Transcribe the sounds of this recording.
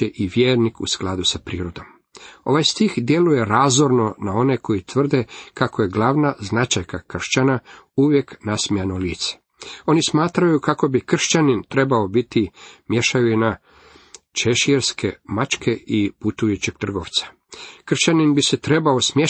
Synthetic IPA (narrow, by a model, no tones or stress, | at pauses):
eʔiʋjeːɾnikṵsklˠad̪usapɾiːɾod̪o̞m | o̞ʋajst̪ixd̪je̞luje̞ɾazoɾno̞nao̞ne̞ko̞jit̪ʋr̩d̪e̞kako̞je̞ɡlaʋnaznat͡ʃajkakr̩ʃt͡ɕanauʋje̞knasmiano̞liːt̪se̥ | o̞nismaːt̪ɾajukako̞bikr̩ʃt͡ɕanint̪ɾe̞baobit̪imje̞ʃajuina | t͡ʃeʃieɾskʰe̞mat͡ʃkʰe̞iput̪ujut͡ɕiɡ̥̚t̪r̩ɡo̞ʋt̪sḁ | kr̩ʃt͡ɕaninbise̞t̪ɾe̞baosmje